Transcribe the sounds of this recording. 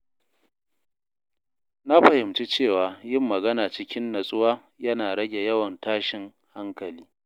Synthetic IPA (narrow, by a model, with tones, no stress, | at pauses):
na˦ɸɐ˨hɪ˨mt͡ʃi˦t͡ʃeː˦˨waː˨jɪ˦˨mːɐ˨ɡɐ˦naː˨t͡ʃɪ˦kʲɪ˦nːɐ˨sʼʊ˦waː˦ | jɐ˦naː˨ɽɐ˦ɡʲe˨jɐ˦wɐ˨ntaː˦ʃɪ˨ŋ | ha˦ŋkɐ˨liː˦